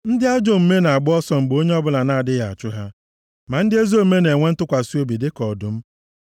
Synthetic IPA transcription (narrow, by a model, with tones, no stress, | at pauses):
n̩˦dɪ˦a˦d͡ʒo˦m̩˨me˦na˨a˨ɡ͡bʊ˦ɔ˦sɔ˦m̩˨ɡ͡bo˦ɲe˦ɔ˦bʊ˦la˨na˦a˨dɪ˦ja˨a˨t͡ʃʊ˦ɦa˦ | ma˨n̩˦dɪ˦e˦zo˦˨˦me˦ne˨ŋʷe˦n̩˦tʊ˦kʷa˨si˦o˦bi˨dɪ˦kɔ˨dʊ˨m̩˦